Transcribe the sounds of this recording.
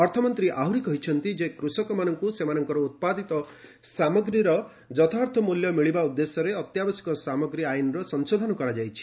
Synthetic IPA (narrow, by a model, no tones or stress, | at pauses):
ɔɾt̪ʰɔmɔnt̪ɾiʔaɦuɾikɔɦit͡ʃʰɔnt̪id͡ʒekɾusɔkɔmanɔŋkusemanɔŋkɔɾɔut̪̚pad̪it̪ɔ | samɔɡɾiɾɔ | d͡ʒɔt̪ʰaɾt̪ʰɔmuljɔmiɭibaud̪ːesɔɾeɔt̪jabɔsi̥kɔsamɔɡɾiajnɔɾɔsɔŋsod̪ʱɔnɔkɔɾad͡ʒajt͡ʃʰi̥